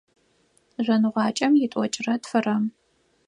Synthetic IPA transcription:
ʒʷɐnɨʁʷɑːt͡ʃʼɐmjɪtʼɔt͡ʃʼɪrɐtfɨrɐm

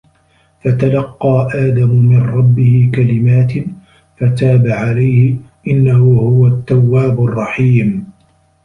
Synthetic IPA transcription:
fat̪alɑqːɑːʔaːd̪amʊmɪnɾˤɑbːɪhɪkalɪmaːt̪ | fat̪aːbaʕalajhɪʔɪnːahʊhʊwat̪ːawːaːbrˤːɑħiːm

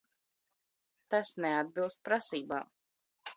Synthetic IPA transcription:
t̪asnɛad̪̚bilˠst̪̚pɾasiːba̰ː

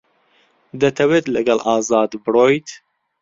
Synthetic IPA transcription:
d̪ɐt̪ʰɐweːt̪lɨɡɐlʔɑːzɑːd̪bɨɾoːjt̪

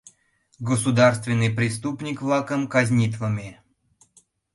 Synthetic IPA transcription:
ɡəsud̪arst̪vʲɪnːɨjpɾʲɪst̪upnʲikvlˠakəmkazʲnʲit̪vəmʲe

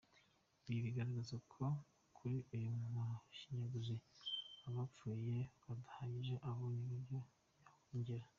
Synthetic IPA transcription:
βiβiɡaɾaɡazokʰo̞ | kʰuɾiʔujumumuʃiɲaɡuziaβap͡fuːje̞βadahaɲiʒeʔaβoɲiβuɾɟo | jahuːɲɟiɾa

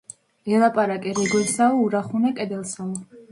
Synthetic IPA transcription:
ɛlˠapʼaɾakʼɛɾɛɡwɛsaɔuɾaχunakʼɛd̪ɛlˠsaɔ

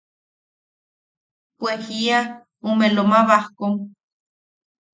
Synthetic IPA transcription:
pwehia | umelomaβahkoŋ

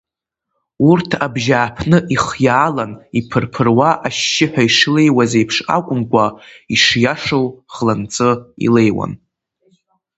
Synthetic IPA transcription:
urtʰabʒaːpʰnɨʔiχjaːlanipʰɨrpʰɨrwaʔaʃːɪħʷᶣaiʂle̞jwazejpʰʂa̰kʷʼʊmkʷʼaiʂjaʂowʁ̥lant͡sʼɨḭle̞jwa̰n

